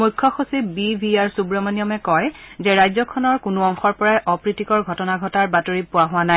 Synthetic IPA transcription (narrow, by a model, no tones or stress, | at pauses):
mujkʰːɔxosibibʱiaɹsubɹɔmanijɔmɛkɔjzɛɹajzɔkʰɔnɔɹkʊnʊɔŋxɔɹpɔɹajʔɔpɹitikɔɹɡʱɔtɔnaɡʱɔtaɹbatoɹipʊwaɦʊanaj